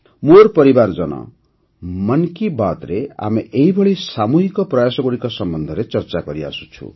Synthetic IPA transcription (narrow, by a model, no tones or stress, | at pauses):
morpʌɾibard͡zʌnʌ̰ | mʌnkibat̪ɾea̰mieɦibʱʌɭisamuɦikʌprʌjasʌɡuɾikɔsʌmbʌnd̪ʱʌɾet͡sʌrt͡saɡʌɾia̰su̥t͡sʰṵ